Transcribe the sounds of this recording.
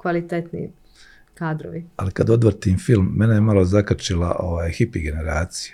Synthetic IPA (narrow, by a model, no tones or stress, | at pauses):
kʋalit̪et̪nḭ | kaːd̪ɾo̰ʋialikad̪o̞d̪ʋɾt̪imfilˠmːe̞nejemalo̞zakat͡ʃilˠa̰ʔo̞ʋaːjxipiɡe̞ne̞ɾaːt̪si̥jḁ